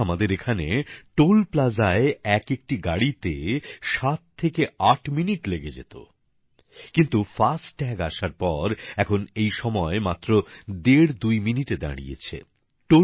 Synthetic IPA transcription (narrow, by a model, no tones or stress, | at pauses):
amad̪eɾekʰaneʈolplad͡ʑaeɛkek̚ʈiɡaɽit̪eʃat̪ʰːekeaʈʰminiʈleɡed͡ʑḛt̪o̰ | kint̪ufasʈːɛɡaʃaɾpɔɾɛkʰonejʃɔmɔemat̪ːɾod̪eɾd̪ujminiʈed̪a̰ɽḭjḛt͡ɕʰḛ | ʈo